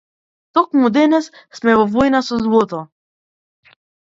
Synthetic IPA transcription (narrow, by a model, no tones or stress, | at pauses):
t̪ɔkmud̪ɛnɛssmɛvɔvɔjnasɔzvɔt̪ɔ